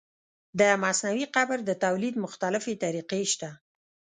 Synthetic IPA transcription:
d̪əmasnawiqabɾd̪ət̪awlid̪mʊxt̪alɪfet̪aɾiqeʃt̪a

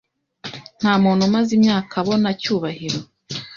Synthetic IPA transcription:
n̥haːmuːn̥humazimɲaːkʰaβo̞nacuːβahiɾo̞

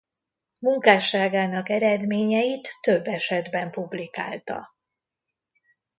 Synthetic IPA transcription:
muŋkaːʃaːɡaːnɒkɛɾɛd̪meːɲɛjit̪ːøbːɛʃɛd̪bɛmpublika̰ːlt̪ɒ̰

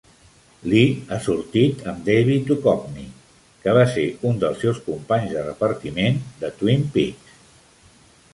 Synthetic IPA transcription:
liasuɾt̪it̪əmd̪ejβit̪ukɔp̚ni | kəβ̞aseund̪əlˠsːewskumpaɲzðərəpəɾt̪imend̪ət̪wimpik

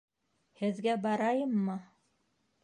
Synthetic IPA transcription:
hɘ̆ðɡæbɑɾɑjɤmːɤ

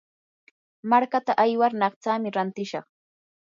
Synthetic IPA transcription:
maɾkat̪aʔajwaɾnɑχt͡saːmɪɾant̪ɪʃɑχ

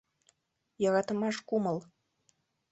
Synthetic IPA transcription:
jɑɣɑt̪ə̆mɑʃkumɤ̆lˠ

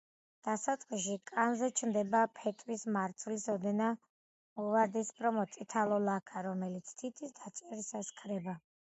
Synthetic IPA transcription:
d̪̥asat̪sʼqʼiʃikʼanzɛt͡ʃʰmd̪ɛbapʰɛt̪ʼɾismaɾt̪sʰvlisɔd̪ɛna | ɔvaɾd̪ispʰɾɔmɔt̪sʼit̪ʰalˠɔlakʰaɾɔmɛlit̪sʰt̪ʰit̪ʰisd̪at͡ʃʼɛɾisaskʰɾɛba

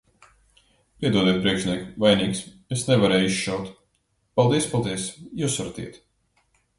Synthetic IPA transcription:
pʲiɛd̪uɔd̪iɛt̪̚pɾiɛkʃʲnʲiɛkvajniːks | esnɛvaɾɛːjiʃʃawt̪ | palˠd̪iɛspalˠd̪iɛsjuːsaɾat̪ḭɛt̪

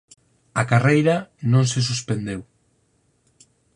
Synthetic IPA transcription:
akarejɾɐnõŋsɪs̬uspend̪ew

